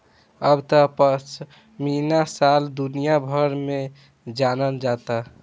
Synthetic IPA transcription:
əbt̪əpət͡ʃʰ | minasald̪unijabʱəɾme | d͡ʒanəld͡ʒat̪a

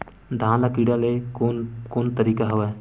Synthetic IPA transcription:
d̪ʱãːlakiːɽalekokoːnt̪əɾiːkaɦɐʋɛ

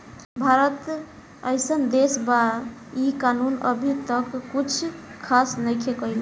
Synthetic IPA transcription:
bʱaɾət̪ | əjsənd̪esbaikanunə̰bʱit̪əkːut͡ʃʰkʰasnəjkʰekəjl

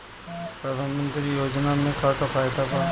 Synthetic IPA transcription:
pɾəd̪ʱaːnmə̃nt̪ɾijoːd͡ʒnamẽkaʈofʰaːjd̪apə

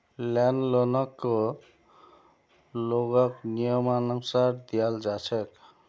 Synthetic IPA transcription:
lɛnlɔnɔkːo | loɡɔknijɔmanaŋsaɾd̪ijald͡ʒat͡ʃʰɛk

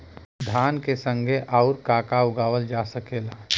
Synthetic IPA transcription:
d̪ʱaːnkesə̃ŋɡʱeʔaʊɾkaːkaʊɡaːʋəld͡ʒaːsəkeːlaː

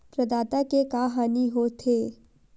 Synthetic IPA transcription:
pɾɐd̪aːt̪akekaːɦaːniɦot̪ʰeː

